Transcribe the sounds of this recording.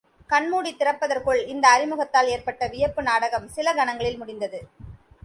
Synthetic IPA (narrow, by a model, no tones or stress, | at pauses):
kɐɳmuːɽit̪ːɪrɐpːɐðɐrkɯɭɪnd̪ɐːɾɪmɯɣɐt̪ːaːleːrpɐʈːɐʋɪjɐpːɯnaːɽɐɣɐmsɪlɐɡɐnɐŋɡɐɭɪlmʊɽɪnd̪ɐðɯ